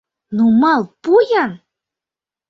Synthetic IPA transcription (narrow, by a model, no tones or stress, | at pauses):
numɑlˠpujɑn